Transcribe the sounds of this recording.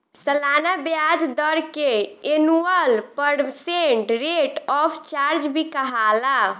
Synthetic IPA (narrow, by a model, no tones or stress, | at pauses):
səlanabjad͡ʒd̪əɾkeenuəlpəɽseɳʈɾeʈɔpʰt͡ʃaɾd͡ʒbʱikəɦala